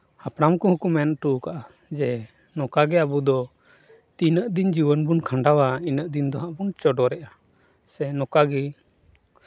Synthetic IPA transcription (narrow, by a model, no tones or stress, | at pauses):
hapɽamkɔ̃hukumɛnʈukaʔa | d͡ʒɛ | nɔkaɡɛabud̪ɔ | t̪inəʔd̪ind͡ʒiwənbunkʰãɳɖawainəʔd̪ind̪ɔɦãʔbunt͡ʃɔɖɔɾɛʔa | sɛnɔkaɡɛ